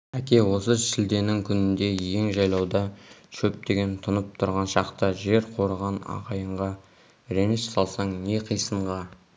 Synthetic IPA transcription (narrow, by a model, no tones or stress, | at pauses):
ækʲe̞wo̞səʃɪld̪e̞nɪŋkʲʰʏnɪnd̪e̞je̞ŋʒɑjlˠɑwd̪ɑʃʰɵp̚t̪e̞ɡʲe̞nt̪ʰʊnəp̚t̪ʰʊɾʁɑnʃɑqt̪əʒe̞ɾqʰo̞ɾəʁɑnɑ̰ʁɑjəɴʁɑ | ɾenɪʃsɑlˠsɑɴne̞qʰijsəɴʁɑ